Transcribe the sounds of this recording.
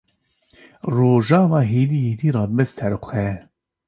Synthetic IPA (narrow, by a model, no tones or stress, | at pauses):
roːʒɑːvɑːɦeːd̪iːheːd̪iːɾɑːbɨsʰɛɾxʷɛ